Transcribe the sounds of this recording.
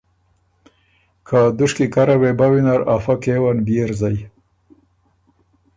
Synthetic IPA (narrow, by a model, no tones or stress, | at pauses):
kʰad̪ʊʂkikaɾawebawinaɾafakewanbieɾzaj